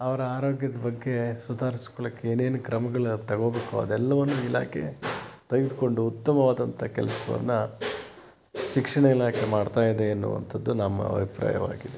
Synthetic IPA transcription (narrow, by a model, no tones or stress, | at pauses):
ɐʋɐɾɐaːɾo̞ːɡjɐd̪ɐbɐɡːe̞sud̪ʱaːɾisi̥kɔɭɐkːeeːne̞ːnukɾɐmɐɡɐɭut̪ɐɡo̞ːbeːkuɐ̰d̪ɛlːɐʋɐnːuila̰ːkʰḛt̪ɐɡid̪uko̞ɳɖuːt̪ːɐmɐʋaːd̪ɐnt̪ʰɐkɛ̰lɐsɐʋɐ̰nːu | ʃikʂɐɳɐilaːkʰemaːɖt̪aːjid̪eːnːṵʋɐ̰nt̪ʰɐd̪ːunɐmːɐ̰ɐ̰bʱipɾa̰ːjɐ̰ʋa̰ːɡid̪e